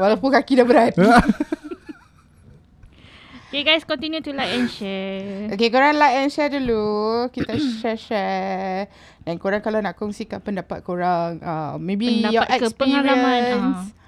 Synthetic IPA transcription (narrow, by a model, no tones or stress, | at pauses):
walakukakidabəɾat̪̚ | okeɡajskɔ̃nt̪injut̪ulajɛnʃɛokekoɾaŋlaɛ̃nʃɛdulukit̪aʃɛʃɛ | dankoɾaŋkalawnakɔŋsikãpəndapat̪̚koɹaŋamːẽbindajɔaɛkəspəiɹɹiaəãnns